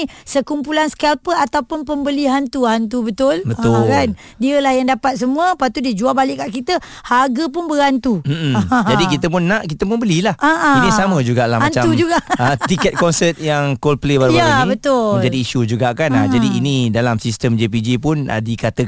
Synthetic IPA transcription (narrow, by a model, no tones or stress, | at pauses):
səkumpulanskɛlpəat̪awpʊnpəmbəliɦant̪uhant̪ubət̪ʊlbət̪ʊkan | diəlahjaŋdapat̪̚səmũəpat̪udiəd͡ʒuabalɪʔkːaʔkit̪ə | haɡap̬ʊnbəɾant̪um̩d͡ʒadikit̪əp̬ʊnːaʔkit̪əpʊnbəlilahaʔãinisamə̃d͡ʒuɡaʔla̰hmant͡ʃad͡ʒuɡaət̪ikɛt̪̚kɔnsət̪̚jaŋkolplebaɾujbaĩbət̪ʊmɲd͡ʒadiːʃud͡ʒuɡaʔkanad͡ʒadiːnĩdalamsist̪əmd͡ʒep̬id͡ʒipʊna̰dikat̪ə